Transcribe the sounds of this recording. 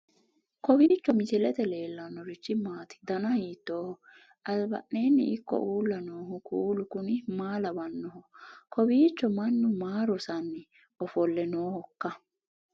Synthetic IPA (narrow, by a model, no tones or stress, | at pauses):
kɔbiːt͡ʃːɔmɪt͡ʃɛlɛt̪ɛle̞ːlːɐnːɔɾɪt͡ʃːɪmaːt̪ɪ̥d̪ɐnɐhiːt̪ːoːhɔ | ɐlbɐ̰ʔneːnːɪ̰ɪkːɔ̰ʔuːlːɐnoːɦʊkuːlʊkʊnɪmaːlɐbɐnːɔɦɔkʰɔbiːt͡ʃːɔmɐnːʊmaːɾɔsɐnːɪ | ɔfɔlːɛnoːhɔkːɐ